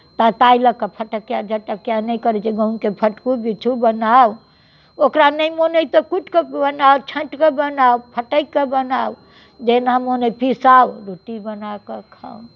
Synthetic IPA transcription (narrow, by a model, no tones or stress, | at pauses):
t̪at̪ailəkepʰəʈəkjad͡ʒʱəʈəkjanəikəɾet͡ʃeɡə̃unkepʰəʈkubit͡ʃʰubənaw | okɾanəimonəjt̪ɔkut͡ʃʰkebənawt͡ʃʰə̃ɳʈkebənawpʰəʈəjkebənaw | d͡ʒenamonəjpisawɾuʈibənakekʰa